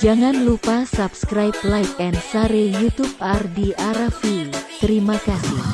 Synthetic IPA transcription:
d͡ʒaŋanlupasapskɾajp̚lajp̚ɛnsaɾejut̪up̚ardiʔaɾafiut̪əɾimakasḭh

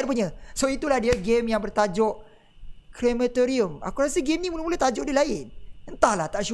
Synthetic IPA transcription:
p̬uɲə̃soit̪ulahdiəɡemjaŋbərt̪ad͡ʒɔʔ | klemət̪oɾiəma̰kuɾasəɡemnĩmuləmuləht̪ad͡ʒɔʔdilaɪnənt̪ahlaht̪aʔʃu

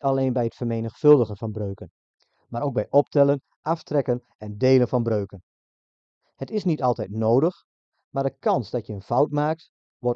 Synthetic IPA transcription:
aleːnbɛjətfərmeːnəxfɵlˠdəɣənfɑnbrøɥkən | maːɾoːwɡ̚bɛjʔɔp̚tɛlˠən | ʔɑftrɛkən | ɛndeːlənfɑnbrøɥkən | hətɪsnitɑlˠtɛjtnoːdəx | maːrdəkɑnsdɔtjəənfawtmaːk̚t | ʋɔr

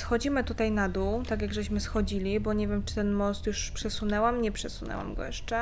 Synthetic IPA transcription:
sxɔd͡ʑimɘt̪ut̪ajnad̪uwt̪aɡʲjaɡʐɛɕmɘsxɔd͡ʑilʲibɔɲevʲjemt͡ʂɘ̥t̪ɛnmɔst̪juʂpʂɛsunɛwamɲɛpʂɛsunɛ̰wa̰mɡɔ̰jɛʂt͡ʂɛ

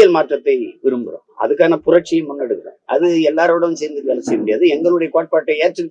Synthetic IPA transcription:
jɐlmaːʈrɐt̪ːɐɪʋɪɾɯmbɯɾõ̰ːɐ̰ðɯkːaːnɐpʊɾɐʈ̚t͡ʃːɪjɐmʊnːɐɽɯkːɯɾa̰ːɐ̰ðɯɛlːaːɾɐʋɪɽɐʋmseːɾnd̪ɯkːaːnɯsɛjmʊɽɪjaːðɯɛŋɡɐɭɯɽɐjɐkoːʈ̚paːʈːɐɪeːɾʈːɯ

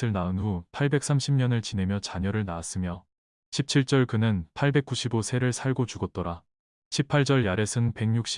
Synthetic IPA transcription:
ɯɭnaɯnɸupʰaɭbe̞k̚s͈ʰamɕʰimɲʌnɯɭt͡ɕine̞mjʌt͡ɕaɲʌɾɯɭnaːs͈ɯmjʌ | ɕʰip̚t͡ɕʰiɭt͡ɕ͈ʌɭkɯnɯnpʰaɭbe̞k͈uɕʰibosʰe̞ɾɯɭsʰaɭɡot͡ɕuɡʌt͈ʌɾa | ɕʰipʰaɭt͡ɕ͈ʌɭjaɾe̞sʰɯnpe̞ŋɲuk̚ɕ͈i

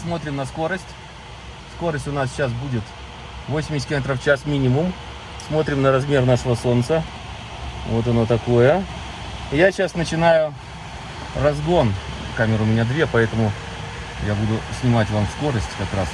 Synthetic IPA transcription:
smo̞t̪ɾʲɪmnəsko̞ɾəsʲtʲ | sko̞ɾəsʲtʲʊnas̬ɕas̬budʲɪt̪ | vosʲɪmʲɪsʲkʲlʲˠmʲet̪ɾəft͡ɕasmʲinʲɪmʊm | smo̞t̪ɾʲɪmnəɾɐzmʲe̞rnaʂəvəso̞nt̪sə | vo̞t̪ɐno̞t̪ɐko̞jə | jaɕasnət͡ɕɪnajʊ | rɐzɡo̞n | kamʲɪɾɨʊmʲɪnʲad̪vʲepɐɛt̪əmʊ | jabud̪ʊsʲnʲɪmatʲvamsko̞ɾəsʲtʲkɐkɾas

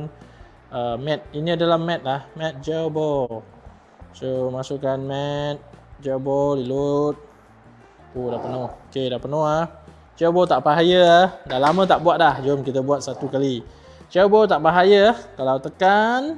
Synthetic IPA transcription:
n | əmɛt̪̚iniadalahmɛ̃t̪̚lahmɛ̃t̪̚d͡ʒabɔl | somasukanmɛt̪̚d͡ʒabɔldilut̪̚ | odapənɔhokedahpənɔhah | d͡ʒabɔlt̪aʔbaɦajəahdalamə̃t̪aʔbuat̪̚lahd͡ʒomkit̪əbuat̪̚sat̪ukali | d͡ʒawbɔlt̪aʔbaɦajəahkalawt̪əkan

